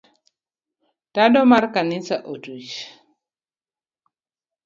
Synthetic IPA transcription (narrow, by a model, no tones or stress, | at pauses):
tadɔmaɾkanisaʔotuʃ